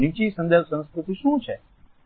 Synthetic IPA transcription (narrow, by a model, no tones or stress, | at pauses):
niːt͡ʃisɐ̃nd̪əsə̃nskɾɪt̪iʃũːt͡ʃʰɛ